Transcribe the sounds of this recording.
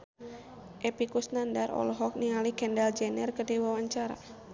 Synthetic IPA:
ʔɛpikusnandarɔ̰lɔɦɔk̚niŋalikɛndald͡ʒɛnɛrkərdiwawaɲt͡ʃaɾa̰

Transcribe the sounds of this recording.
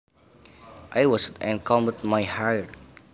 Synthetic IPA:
ʔajwɔsɛ̃nkʰɔ̃mətmajhaɹt

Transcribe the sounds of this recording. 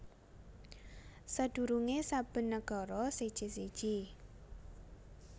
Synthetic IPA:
səd̪̥ṳɾuŋesab̥ə̤nːəɡ̥ɔ̤ɾɔsid̥ʒ̥i̤sid̥ʒ̥i

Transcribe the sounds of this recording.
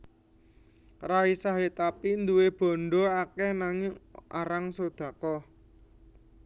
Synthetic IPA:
raisaɦet̪apind̪uweb̥ɔ̤ɳɖɔakɛhnaŋɪʔaɾaŋsod̪̥ä̤kɔ

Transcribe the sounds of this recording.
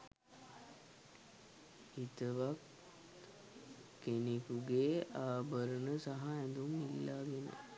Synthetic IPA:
it̪əʋak | enikuɡeːaːbəɾənəsaɦaænd̪umːilːaːɡenə̰

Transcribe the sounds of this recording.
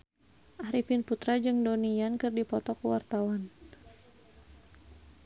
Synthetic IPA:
ʔahɾifɪnput̪ɾad͡ʒɨŋdonijankɨrdipɔt̪ɔkuwa̰rt̪awan

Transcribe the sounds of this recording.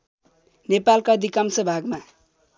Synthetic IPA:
nepalkad̪ʱikamsʌbʱaɡma

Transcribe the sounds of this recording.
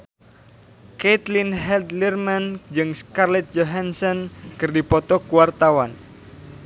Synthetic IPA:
ket̪linɦɛld̪lirmand͡ʒɨŋskarlɛt̪̚d͡ʒoɦansɔnkɨrdipɔt̪ɔkuwart̪awan

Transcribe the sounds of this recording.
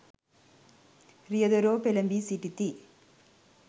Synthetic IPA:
ɾɪjɐðɐɾoːpɛlɐmbisiʈːit̪ːi

